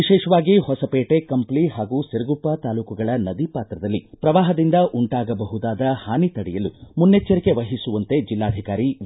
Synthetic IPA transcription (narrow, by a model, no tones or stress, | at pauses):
ʋiʃɛːʂɐʋaːɡihɔsɐpeːʈekɐmpliɦaːɡuːseɾɐɡupːɐt̪aːluːkuɡɐɭɐnɐd̪ipaːt̪ɾɐd̪ɐlːipɾɐʋaːɦɐd̪ind̪ɐʔuɳʈaːɡɐbɐɦud̪aːd̪ɐhaːnit̪ɐɽɛjɐlumunːet͡ʃːɐɾike̞ʋɐɦisuʋɐnt̪e̞d͡ʒilːaːd̪ʱikaːɾi